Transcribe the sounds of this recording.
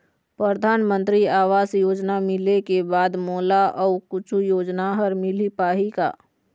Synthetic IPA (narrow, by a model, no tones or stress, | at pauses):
pɾəɾd̪ʱaːnmə̃nt̪ɾiaːʋaːsjoːd͡ʒnamɪlekebaːd̪moːlaʔɔːkʊt͡ʃʰujoːd͡ʒnaɦɐɾmɪlipaːɦika̰ː